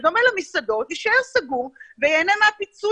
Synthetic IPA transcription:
d̪omelamisad̪o̞t̪iʃeʁsaɡuʁvejenemeapit͡su

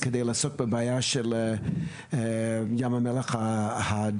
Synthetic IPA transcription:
kədejlaasok̚bəbaːjaʃɛl | jamhamɛleχhaha

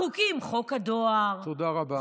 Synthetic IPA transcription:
ukimχokad̪oaʁt̪od̪aʁaba

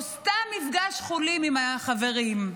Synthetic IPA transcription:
st̪amːifɡaʃχulimimaχaveʁim

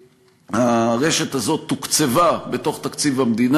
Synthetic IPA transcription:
haʁe̞ʃet̪azo̞t̪ːukt͡sevabe̞t̪o̞χt̪akt͡sivamd̪in

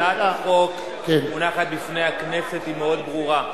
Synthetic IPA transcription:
aaχok | kenmonaχat̪̚bifne̞jhakne̞se̞t̪imeo̞d̪bʁuʁa

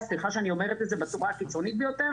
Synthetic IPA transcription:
sliχaʃeanio̞me̞ʁet̪etdzebet͡suʁakit͡so̞nit̪̚bejo̞t̪e

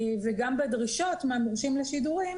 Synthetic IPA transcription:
veɡambedʁiʃo̞tmaamʁʃimleʃiduʁim

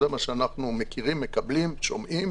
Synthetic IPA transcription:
emaʃeanaχnumekiʁimːe̞kablimʃo̞mʔim

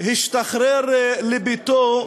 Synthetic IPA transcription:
hiʃt̪aχɾeɾlebit̪o

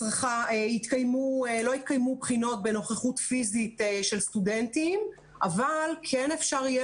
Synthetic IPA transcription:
ʁaχaeit̪kajmuelo̞it̪̚kajmubχino̞t̚be̞no̞χeχutfizit̪eʃe̞lstudentim | ʔavalkʰenefʃaʁje

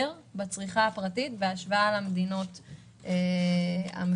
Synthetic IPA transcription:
ʁ | bat͡sʁiχaapʁatitveaʃvaːlamedino̞t | e | a̰m

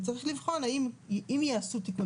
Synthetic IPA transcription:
t͡saʁiχlivχo̞naimimjaːsut̪iku

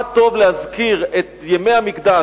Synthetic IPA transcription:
t̪o̞vlehazkiʁet̪jeme̞jhamikd̪a

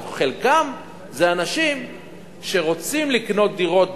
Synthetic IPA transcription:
χelkam | zeanaʃim | ʃe̞ʁo̞t͡simlikno̞t̪̚d̪iʁo̞t̪̚

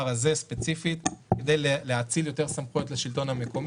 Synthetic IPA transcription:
aʁaze̞spet͡sifit̪ked̪ejleleat͡siljo̞t̪eʁsamχujo̞tleʃilt̪o̞nhame̞ko̞m

